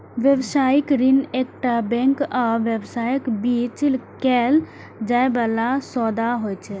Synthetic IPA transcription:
ʋebsajikɾinek̚ʈabɛ̃ŋkaʋebsajkbit͡ʃlkɛl | d͡ʒaebalasɔd̪aɦojt͡ʃʰɛ

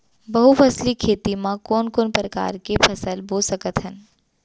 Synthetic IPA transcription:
bɐɦupʰɐslikʰeːt̪imãkɔːnkoːnpɾəka̰ːɾkepʰɐsəlboːsəkət̪ɦɛn

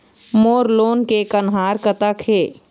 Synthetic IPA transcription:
moːɾloːnkekənɦaːɾkət̪əkʰheː

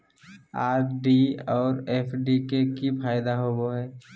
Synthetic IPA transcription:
aːɾɖiɔːɾeːpʰɖikekipʰaːɪd̪aɦoboɦɛː

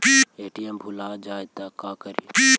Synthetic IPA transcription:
ieːʈiːembʱʊlaːd͡ʒaːt̪aːkaːkəɾipi

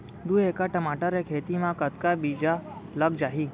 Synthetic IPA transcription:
d̪uekaʈəmaʈaɾekʰet̪imãkət̪kabid͡ʒaləɡd͡ʒaɦiː

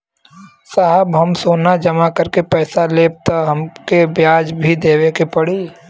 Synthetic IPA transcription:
saːɦəbɦɐmsoːnad͡ʒɐmakɐɾkepɛːsaleːb̚t̪aɦɐmkebjaːd͡ʒbʱid̪eːʋekepɐɽiː

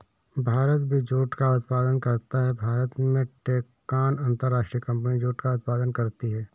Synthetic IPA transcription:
bʱaːɾət̪bʱid͡ʒoːʈkaʊt̪̚paːd̪ənkɐɾt̪aɦɛbʱaːɾət̪mẽʈeːkː | aːnɐ̃nt̪əɾːaːʃʈɾijəkɐ̃mp̬nid͡ʒoːʈkaʊt̪̚paːd̪ənkɐɾt̪iɦɛː

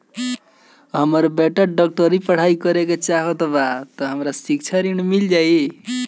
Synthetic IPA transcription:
ɦəməɾbeʈəɾɖək̚ʈəɾipəɽ̤aikəɾeket͡ʃaɦot̪bat̪əɦəmɾasikt͡ʃʰəɾiñmild͡ʒaj

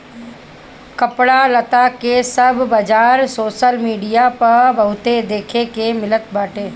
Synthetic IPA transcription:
kɐpɽalət̪akesɐbʱbɐd͡ʒaːɾsoːʃəlmiːɖijapɐɾbəɦʊt̪ed̪eːkʰekemɪlət̪̚baːʈeː

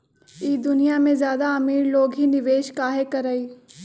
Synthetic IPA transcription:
iːd̪ʊnijamẽzjaːd̪aɐmiːɾloːɡɦinɪʋeːʃkaːɦekɐɾəiː

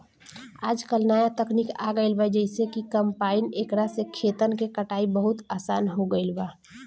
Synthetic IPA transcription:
aːd͡ʒkəlnaːjat̪əkniːka̰ɡəɪlbajd͡ʒəɪsekikəmpaːɪneːkɾasekʰeːt̪ənkekəʈaːibəɦʊt̪aːsaːnɦoɡəɪlbaː

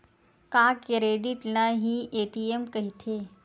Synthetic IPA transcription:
kakɾeɖiʈlãɦieʈiemkəɦit̪ʰe

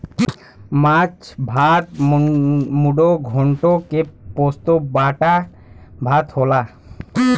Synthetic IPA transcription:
mat͡ʃbʱat̪ | muɖoɡʱoɳʈokepost̪obaʈa | bʱat̪hola

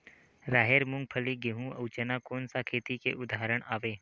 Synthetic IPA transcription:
ɾaːɦeːɾmʊ̃ŋɡ̚pʰəliɡeɦũɐ̰ʊt͡ʃənakoːnsakʰeːt̪ikḛʔʊd̪ʱaːɾəɽ̃aːʋeː

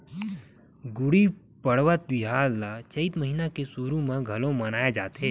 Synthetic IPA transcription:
ɡʊɽi | pɐɽʋət̪̚iɦaːlːat͡ʃɐɪt̪məɦiːnakesuːɾũmẽɡʱɐlõmɐnaːed͡ʒaːt̪eː

